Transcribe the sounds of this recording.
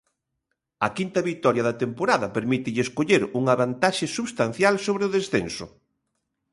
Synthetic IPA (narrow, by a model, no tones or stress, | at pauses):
ɐkint̪ɐβit̪ɔɾjaɐðɐt̪empoɾaðɐpeɾmit̪ɪʎɪeskoʎeɾuŋaβant̪aʃɪsuβst̪an̟θjalsoβɾeʊðesθensʊ̰